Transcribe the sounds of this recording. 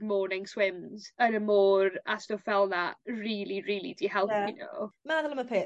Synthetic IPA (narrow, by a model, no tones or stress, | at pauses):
mɔːnɪŋswɪmzənəmoːɾastɔfɛlˠnariːlˠiriːlˠḭdiɦɛlˠpʰino̰maðəlˠəməpʰeː